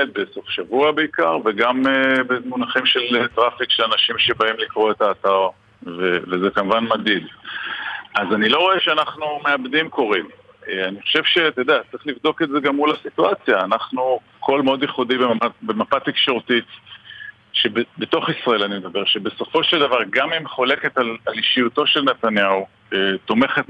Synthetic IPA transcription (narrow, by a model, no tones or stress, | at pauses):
et̪̚beso̞fʃavuabe̞ikaʁveɡamebemunaχimʃe̞let̪ʁafikʃelanaʃimʃe̞baimlikʁo̞e̞taːt̪aʁ | vevezekamuvanmad̪id | azanilo̞ʁo̞eʃeanaχnumeabd̪imko̞ʁim | eaniχoʃe̞vʃe̞t̪ojd̪eat͡sʁiχlivd̪o̞keze̞ɡamːulasituat͡sjaːnaχnu | kʰo̞lmeo̞d̪jeχud̪ibemamatbe̞mapatekʃeʁut̪it | ʃebebet̪o̞χisʁae̞lanimed̪abe̞ʁʃe̞be̞so̞fo̞ʃeld̪avaʁɡamimχo̞le̞ke̞t̪alaliʃiuto̞ʃe̞lnet̪anjau | et̪o̞me̞χet̪